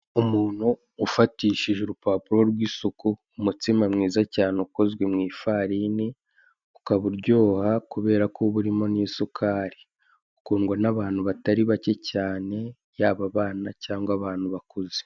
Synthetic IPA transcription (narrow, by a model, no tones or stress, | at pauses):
umuːn̥huː | fatiːʃiʒeɾupaːpuɾo̞ɾɡwiːsokuːmutimamŋiːzacaːneuko̞zɡwe̞mŋiːfaːɾini | ukaβuɾɟo̞ːhakuβe̞ːɾakʰoβuɾimo̞niːsukʰaːɾi | u̥kuːŋɡwanaβaːn̥huβataɾiβace̞caːne̞ | jaːβaβaːnacaːŋɡwaβaːn̥huβakuze̥